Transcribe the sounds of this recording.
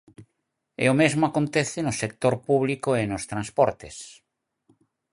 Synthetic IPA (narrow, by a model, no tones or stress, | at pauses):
ḛomezmoakont̪eθenosek̚t̪oɾpuβlikoenost̪ɾãnspɔɾt̪es